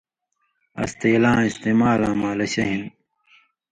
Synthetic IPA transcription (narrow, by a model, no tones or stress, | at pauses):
ɐ̰st̪eːlãːist̪eːmaːlãːmãːlɐɕɐɦin